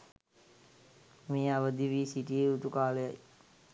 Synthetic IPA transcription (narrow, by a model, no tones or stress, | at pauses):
meːaʋəd̪iʋiːsiʈieut̪ukaːləja̰j